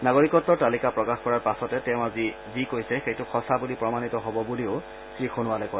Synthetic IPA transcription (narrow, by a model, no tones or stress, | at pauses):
naɡoɹikɔtːɔɹtalikapɹɔkaxkɔɹaɹpasɔtɛtɛʊ̃azi | zikojsɛxejtʊxɔsabulipɹɔmanitɔɦɔbɔbuliʊ | tɹixʰonʊwalɛkɔj